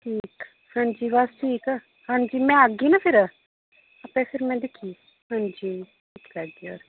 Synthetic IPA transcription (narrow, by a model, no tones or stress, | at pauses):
ʈʰiːk | hãːnd͡ʒiːʋasʈʰiːkː | hãːnd͡ʒiːmɛ̃ːəɡiːnapʰɪɾ | əpɛ̃ːpʰɪɾmɛ̃ːd̪ɪkʰːiː | hãːnd͡ʒiː | ʈʰiːklaɡiːoːɾ